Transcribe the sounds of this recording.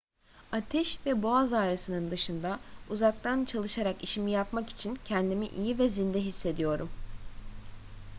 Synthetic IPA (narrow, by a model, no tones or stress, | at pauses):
at̪ʰɛʃvɛboazaːɾasɯnɯnd̪ɯʃɯnd̪auzak̚t̪ʰant͡ʃʰalˠɯʃaɾakiʃimijapmaki̥t͡ʃʰincʰɛnd̪imiʔijivɛzind̪ɛɦisːe̞d̪ijo̞ɾum